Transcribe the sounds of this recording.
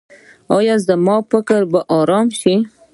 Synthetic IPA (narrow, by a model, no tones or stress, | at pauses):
ɑjɑzəmɑfəkəɾbaʔɑɾɑmʃi